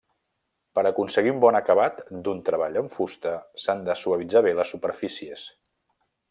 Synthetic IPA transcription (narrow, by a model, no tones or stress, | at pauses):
pəɾəkunsəɣiumbɔnəkəβat̪d̪unt̪ɾəβ̞aʎəɱfust̪əsand̪əsuəβid͡zaβeləsːupəɾfisies